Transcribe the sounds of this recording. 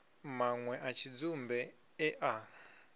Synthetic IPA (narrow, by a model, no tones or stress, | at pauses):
maŋwɛʔat͡ʃʰid͡zumbɛ | ɛʔa